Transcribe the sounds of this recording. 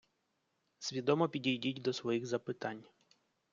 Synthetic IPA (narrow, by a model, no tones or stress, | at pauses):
sʲʋʲid̪ɔmɔpʲidʲijdʲitʲd̪ɔsʋɔjiɣzɐpɪt̪ɑnʲ